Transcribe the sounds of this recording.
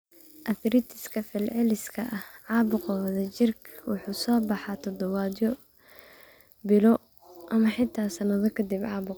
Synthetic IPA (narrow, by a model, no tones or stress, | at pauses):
ʔɐθɾɪt̪ʰɪ̥skʰɐfɪlʕɛlɪskʰɐʔɐhʕɑːbʊqɔwɐðɐt͡ʃɪrkʰwʊ̰ħuːsɔːbɑħɑt̪ʰɔd̪ɔβaːd̪jɔ | bɪlɔ | ʔɐmɐħɪt̪ʰːaːsɐnɐðɔkʰɐd̪ibʕɑːbʊ